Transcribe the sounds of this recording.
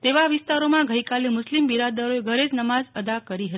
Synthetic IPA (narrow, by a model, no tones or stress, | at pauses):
t̪eʋaʋɪst̪aɾomãɡəjkalemʊslimbiɾad̪əɾoeɡʱəɾed͡ʒnəmazəd̪akəɾiɦət̪